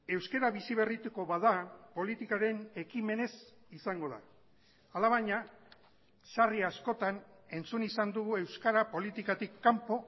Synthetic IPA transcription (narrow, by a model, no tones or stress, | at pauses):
e̞wske̞ɾaβisiβe̞rit̪eko̞βaðapo̞lit̪ikaɾe̞ne̞kime̞ne̞s | isaŋɡo̞ða̰ː | laβaɲa | ʃariasko̞t̪ane̞nt͡sunisand̪uɣue̞wskaɾapo̞lit̪ikat̪ikːampo̞